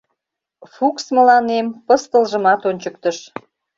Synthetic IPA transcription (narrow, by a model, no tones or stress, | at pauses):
fuksməlɑnempəst̪əlʒəmɑt̪onʲt͡ɕəkt̪əʃ